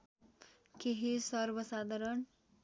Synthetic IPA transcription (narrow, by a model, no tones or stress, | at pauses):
keɦisʌrbʌsad̪ʱʌɾʌn